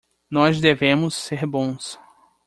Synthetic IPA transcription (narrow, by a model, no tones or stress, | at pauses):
nɔzd̪evẽmʊsːeɾbõs